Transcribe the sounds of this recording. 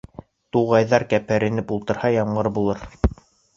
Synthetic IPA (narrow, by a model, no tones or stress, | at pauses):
t̪uʁɑjðɑɾkæpʰæɾɘ̆nɘpulˠt̪ɤ̆ɾhɑjɑmɢɤɾbulˠɤɾ